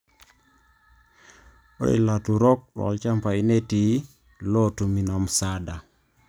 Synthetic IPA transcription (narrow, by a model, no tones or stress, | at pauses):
ʔɔ̰ɗɛ̰latuɾɔk̚ɗ̰wa̰lt͡ʃampajneti | lɔtuminamsada